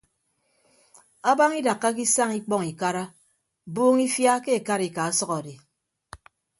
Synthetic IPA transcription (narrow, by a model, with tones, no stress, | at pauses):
a˦ba˦ŋi˦da˨kːa˦k̬i˦sa˦ŋi˦k͡pɔ˦ŋi˨ka˦ɾa˦ | boː˦ŋi˦fja˦ke˦e˨ka˦ɾi˨ka˨a˦sɔ˦kɔ˨di˨